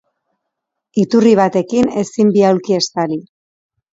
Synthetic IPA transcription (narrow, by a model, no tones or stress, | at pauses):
it̪uriβ̞at̪e̞kine̞simbiawɾkie̞st̪ali